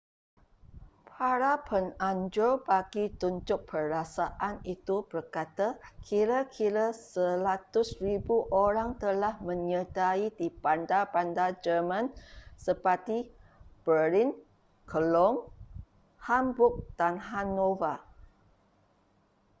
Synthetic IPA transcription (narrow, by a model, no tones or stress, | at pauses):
pʰaɾapʰənãɲd͡ʒobaɡit̪uɲd͡ʒʊk̚pʰəɾasaʔanit̪ub̥ərkat̪akʰiɾakʰiɾasəlat̪ʊsribuʔoɾaŋt̪əlahmə̃ɲədaidipandapandad͡ʒərmãnsəpət̪ib̥əɾin | kʰəlɔm | hambʊk̚d̥anɦanova